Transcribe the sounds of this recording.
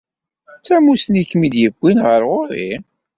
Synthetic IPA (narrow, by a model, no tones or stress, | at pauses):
t͡sːæmusnikːmid̪jəɡʷːinʁəɾʁʊɾḭ